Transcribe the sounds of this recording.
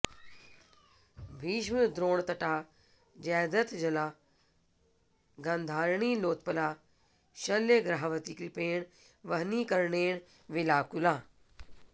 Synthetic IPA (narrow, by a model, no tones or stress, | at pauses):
bʱiːʃ̬məd̪ɾoːɽ̃t̪ɐʈaː | d͡ʑɛːd̪ət̪d͡ʑɐlaː | ɡɐ̃nd̪ʱaːɾɳiloːt̪pəla | ʃɐleɡɾaːɦʋət̪ikɾɪpeːɽ̃ | ʋɐɦnikɐɾɳeːɽ̃ | ʋɪlaːkulãː